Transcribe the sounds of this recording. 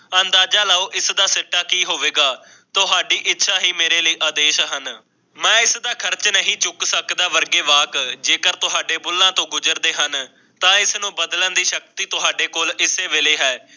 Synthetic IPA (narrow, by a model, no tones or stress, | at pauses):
ənd̪aːd͡ʒaːlaːoːʔɪsd̪aːsɪʈːaːkiːɦoːʋeːɡaː | t̪ʊɦaːɖiːʔɪtːʃʰaːɦiːmeːɾeːləiːʔaːd̪eːʃɦən | mɛ̃ːɪsd̪aːkʰəɾt͡ʃnəɦĩːd͡ʒʊksəkd̪aːʋəɾɡeːʋaːkd͡ʒeːkəɾt̪ʊɦaːɖeːbʊlːãːt̪õːɡʊd͡ʒəɾd̪eːɦən | t̪ãːɪsnũːbəd̪lənd̪iːʃəkt̪iːt̪ʊɦaːɖeːkoːlɪseːʋeːleːɦɛː